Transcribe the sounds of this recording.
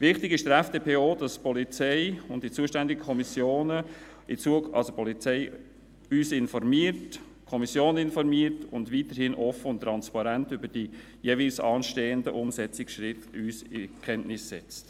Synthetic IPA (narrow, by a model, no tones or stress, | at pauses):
ʋɪχtɪɡɪʃd̥əɾɛfd̥eːpʰeːoːd̥ɑspʰɔlit͡sɛɪʊntd̥it͡suəʃtændɪɡ̥əkʰɔmisjoːnə | ɪt͡suəɑ̰lsopʰɔlit͡sɛɪ | yːsɪnfɔɾmiəɾt | kʰɔmisjoːnɪnfɔɾmiːəɾtʊndʋiːtəɾhɪnʔɔfəʊnt̪ːɾɑnspɑɾæntʏbəd̥i | jeːvilsɑːnʃteːəndəʔʊmsɛt͡sɪkʃɾɪtyːsɪkʰɛnʔnɪsːɛt͡st